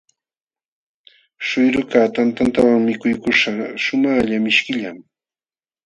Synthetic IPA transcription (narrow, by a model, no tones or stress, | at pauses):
ʃʊjɾʊkaːt̪ant̪ant̪awaŋmɪkʊjkʊʃaʃʊmaːʎamɪʃkɪʎam